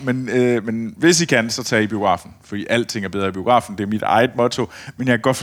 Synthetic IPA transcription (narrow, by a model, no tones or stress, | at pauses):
menømenʋe̝s̬ikʰænsɒ̽t͡sʰɛ̰ːib̥io̝̥ʁɑ̰̈ːfn̩fɒ̽d̥ḭːʔæl̰d̥t͡sʰe̝ŋ̰æɐbeð̞ˠʁɐib̥io̝ɡ̥ʁɑ̰̈ːfn̩d̥e̝æɐmid̥ɑ̰̈ɪð̩ˠmɔ̽t͡sʰo̝menjɑ̈ɡ̥ɒ̽d̥f